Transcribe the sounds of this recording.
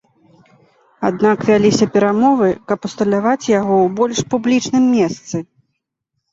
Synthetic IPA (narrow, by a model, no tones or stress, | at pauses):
ad̪nakvʲalʲisʲɐpʲɛɾamɔvɨkɐpust̪ɐlʲavat͡sʲjaɣɔwbɔlʲʂpublʲit͡ʂnɨmːʲɛst̪sɨ